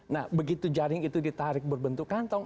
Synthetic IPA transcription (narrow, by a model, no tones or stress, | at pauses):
nahbəɡit̪ud͡ʒaɾɪŋit̪udit̪aɾɪk̚bərbənt̪ukant̪ɔŋ